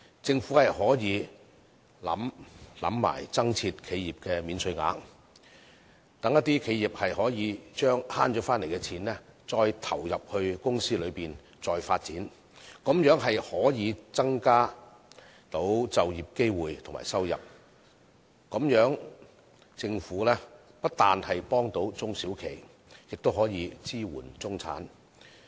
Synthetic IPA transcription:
t͡sɪ˧ŋfu˨˥hɐ˨jɦɔː˨˥jiː˨˧ | lɐ̰˨˥mlɐ̰˨˥mːa̰ː˨˩jt͡sɐ˥ŋt͡sʰiː˧t̚kʰe˨˧jiː˨p̚kɛː˧miː˨˧nsʰɵ˧ɥŋa̰ː˨˧˥ŋ | t̪ɐ˨˥ŋjɐ˥t̪̚iː˥kʰe˨˧jiː˨p̚hɐ˨jhɔː˨˥jiː˨˧t͡ʃœː˥ŋhaː˥nt͡ʃɔː˨˥faː˥nle˨˩jkɛ˧t͡sʰiː˨˥nlɛː˥t͡sɔː˧jt̪ʰɐ˨˩wjɐ˨p̚hɵ˧ɥkʊ˥ŋsiː˥lɵ˨˧ɥpiː˨n | t͡sɔː˧jfaː˧t̚t͡siː˨˥n | kʊ˨˥mjœː˨˥ŋɦɐ˨jhɔː˨˥jiː˨˧t͡sɐ˥ŋkaː˥ | t̪o˨˥wt͡sɐ˨wjiː˨p̚ke˥jwuː˨jt̪ʰʊ˨˩ŋma̰ː˨˩jsɐ˥wjɐ̰˨p̚ | ko˨˥mjœː˨˥ŋ | t͡sɪ˧ŋfuː˨˥lɛː˥ | pɐ˥t̚t̪aː˨nhɐ˨jpɔː˥ŋt̪o˨˥wt͡sʊ˥ŋsiː˨˥wkʰe˨˩j | jɪ˨k̚t̪o˥wɦɔː˨˥jiː˨˧t͡siː˥wṵː˨˩nt͡sʊ˥ŋt͡sʰa̰ː˨˥n

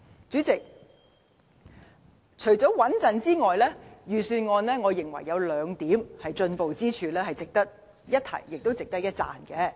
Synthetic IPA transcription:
t͡ʃyː˨˥t͡sɪ˨k̚ | t͡ʃʰɵ˨˩ɥt͡sɔː˨˥wɐ˨˥nt͡sɐ˨nt͡siː˥ŋɔː˨jlɛː˥jyː˨˩syː˧nŋɔː˨˧nlɛː˥ŋɔː˨˧jɪ˨˩ŋwɐ̰˨˩jːɐ˨˧wlœː˨˧ŋt̪iː˨˥mhɐ˨jt͡ʃɵ˧npo˨wt͡siː˥t͡ʃʰyː˧lɛː˥ɦɐ˨jt͡sɪ˨k̚t̪ɐ˥k̚ | jɐ˥t̚t̪ʰɐ̰˨˩jːɪ˨k̚t̪wt͡sɪ˨k̚t̪ɐ˥k̚jɐ˥t̚t͡sa̰ː˨nkɛ˨˧

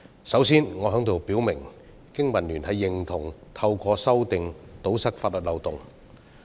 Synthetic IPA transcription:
sɐ˨˥wsiː˥nŋɔː˨˧ɦœ˨˥ŋt̪o˨wpiː˨˥wmɪ˨˩ŋ | kɪ˥ŋmɐ˨nlyː˨˩nhʰɐ˨˧jːɪ˨˩ŋt̪ʰʊ˨˩ŋt̪ʰɐ˧wkʷɔː˧sɐ˥wt̪ɪ˨ŋt̪o˨˥wsɐ˥k̚faː˧˥lɵ˨t̚lɐ˨wt̪ʊ˨˩ŋ

